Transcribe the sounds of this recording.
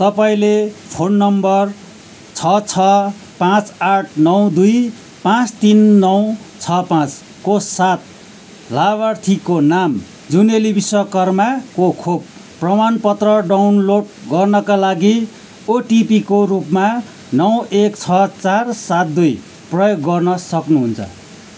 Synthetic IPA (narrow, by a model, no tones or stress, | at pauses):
t̪ʌpaĩlepʰonːʌmbʌr | t͡sʰʌt͡sʰʌ | pãt͡saʈʰnʌw̃d̪uj | pãt͡st̪inːʌwt͡sʰʌpãt͡s | kosat̪̚ | laβʌrt̪ʰikonam | d͡zunelibiswʌkʌrmakokʰob̚ː | rʌmanpʌt̪rʌɖawnloɖɡʌrnʌkalaɡi | oʈipikorupma | nʌw̃ekt͡sʰʌt͡sarsat̪̚d̪uj | prʌjoɡːʌrnʌsʌknuɦunt͡sʰʌ̰